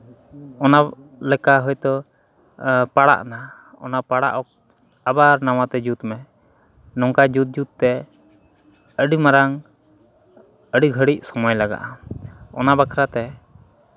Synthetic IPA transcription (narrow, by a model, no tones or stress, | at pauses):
ɔna | lɛkaɦɔjt̪ɔ | paɽa̰ʔna | ɔ̰napaɽa̰ʔɔk̚ | abaɾnawat̪ɛd͡ʒut̪mɛ | nɔŋkad͡ʒut̪̚d͡ʒut̪̚t̪ɛ | əɖimaɾaŋ | əɖiɡʱəɽic̚sɔmɔjlaɡa̰ʔaɔ̰nabakʰɾat̪ɛ